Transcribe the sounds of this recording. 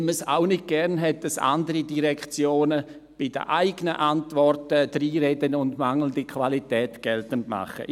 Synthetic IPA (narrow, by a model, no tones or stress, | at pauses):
məsa̰ʊnɪt̚ɡ̥ɛʁnɦɛt̚d̥asa̰ndəɾidiʁɛkt͡sjoːnə | b̥ɪdə̰ʔaɪɡ̥ənəʔantvɔrtəd̥ɾiːɾɛdənʊndmaŋl̩əndikʰvalitɛːtɡ̥ɛltəntma̰χə̰